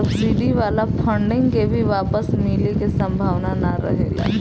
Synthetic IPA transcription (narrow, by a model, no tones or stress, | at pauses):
ɐbsiɖiʋaːlapʰə̃ɳɖɪ̃ŋɡkebʱiʋaːpəsmɪlekesɐ̃mbʱaːʋnanaɾɐ̰ɦḛːɡa̰